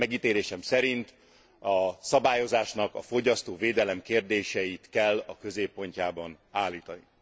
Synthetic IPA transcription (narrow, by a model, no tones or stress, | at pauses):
mɛɡiːt̪eːɾeːʃɛmsɛɾint̪ | ɒsɒbaːjo̞zaːʃnɒkɒfo̞ɟɒst̪oːveːd̪ɛlɛmkeːrd̪eːʃɛjit̪kɛlːɒkø̞zeːpːo̞ɲcaːbɒn | aːlːiːt̪ɒni